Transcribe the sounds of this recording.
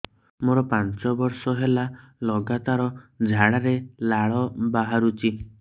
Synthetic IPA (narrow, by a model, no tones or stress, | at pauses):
moɾɔpant͡ʃɔbɔɾsɔɦelalɔɡat̪aɾɔd͡ʒʱaɽaɾelaɭɔbaɦaɾut͡ʃʰi